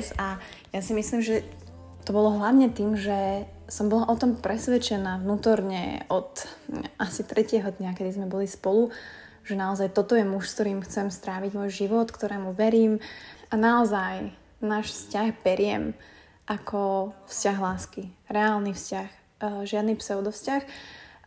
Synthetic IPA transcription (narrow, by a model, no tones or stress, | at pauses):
sa | jasimisliːmʒɛ | t̪ɔbɔlɔɦlaʋɲɛt̪iːmʒɛ | sɔmbɔlaʔɔt̪ɔmpɾɛsʋɛt͡ʃɛnaːvnuːt̪ɔɾɲɛ̰ɔt̪ʔasit̪ɾɛcɪɛɦɔd̪ɲakɛd̪izmɛbɔlispɔlu | ʒ̥ɛnaɔzajt̪ɔt̪ɔjɛmuʃskt̪ɔɾiːmxt͡sɛmst̪ɾaːʋiɟmɔːjʒiʋɔt̪kt̪ɔɾɛːmuʋɛɾiːmʔanaɔzaj | naːʃfscaxbɛɾɪɛm | ʔakʰɔfscaɣɦlaːskiɾɛaːlnifscax | ʒɪad̪nipsɛʊd̪ɔfscax